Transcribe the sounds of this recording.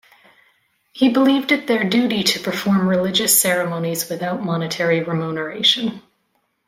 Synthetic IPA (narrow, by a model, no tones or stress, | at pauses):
hibəlivdɨt̪̚ðə˞dʉɾiɾɨpʰə˞fɔɹmɹɨlɪd͡ʒɨsɛɹɨmõʊ̃nizwɨθaʊt̚mɑnɨtʰɛɹiɹɨmunə˞eɪʃɨ̃n